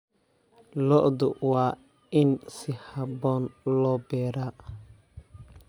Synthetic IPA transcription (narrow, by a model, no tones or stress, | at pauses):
lɔʔd̪ʊ̰waː | ɪnsɪhabɔːnlɔbɛːɾa